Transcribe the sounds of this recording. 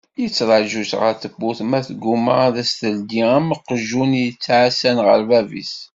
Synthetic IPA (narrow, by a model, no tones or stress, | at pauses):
jət͡sːɾˤɑʒuʃʁə̰ɾθəbːuθmæθɡuməðæst̪əld̪iməqəʒunjət͡sːʕasænʁə̰ɾvævḭs